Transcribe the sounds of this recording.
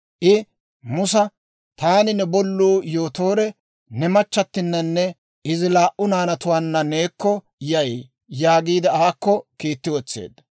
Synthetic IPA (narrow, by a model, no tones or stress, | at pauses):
ʔɪ | mʊsɐ | t̪aːnɪnɛbɔlːuːjo̞ːt̪o̞ːɾɛ | nɛmɐt͡ʃːɐt̪ːɪnːɐnːɛ | ɪzɪlaːʔʔʊnaːnɐt̪ʊwaːnːɐne̞ːkːɔ | jɐj | jaːɡiːd̪ɪaːkːɔkiːt̪ːɪwɔt͡sːḛːd̪ɐ